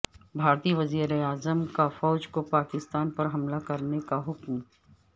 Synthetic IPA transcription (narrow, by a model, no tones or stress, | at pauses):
bʱaːɾt̪iʋɐziːɾeaːzəmkafɔːd͡ʒkopaːkɪst̪aːnpɐɾɦɐmlakɐɾnekaɦʊkm